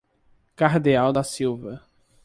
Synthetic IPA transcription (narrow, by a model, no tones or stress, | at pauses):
kaɾd̪eawd̪ɐsiwvɐ